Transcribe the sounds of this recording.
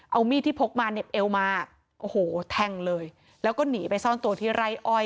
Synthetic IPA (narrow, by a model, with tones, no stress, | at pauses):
ʔa˧wmiː˥˩t̪ʰiː˥˩pʰo˦˥k̚maː˧ne˨˩p̚ʔe˧wmaː˧ | ʔoː˧˩hoː˩˦t̪ʰɛ˧ŋlɤː˧j | lɛː˦˥wkɔː˥˩niː˩˦pa˧jsɔː˥˩nt̪u˧ɐt̪ʰiː˥˩ɾa˧˩jʔɔ˧j